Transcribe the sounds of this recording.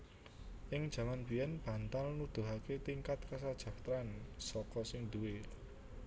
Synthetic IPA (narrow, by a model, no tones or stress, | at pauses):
ʔɪŋd̥ʒ̥ä̤manbijɛnb̥ä̤nt̪alnud̪̥ʊ̤ɦaket̪iŋkat̪̚kas̬ad̥ʒ̥a̤kt̪ɾansɔkɔsɪŋd̪uwe